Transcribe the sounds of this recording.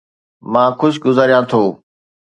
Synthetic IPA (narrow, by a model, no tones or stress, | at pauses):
mãːxʊʃɡʊzaːɾijãt̪ʰoː